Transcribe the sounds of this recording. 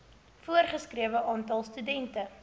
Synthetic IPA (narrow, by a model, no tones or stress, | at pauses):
fuərχəskriəvəʔɑːntɐlˠstydɛntə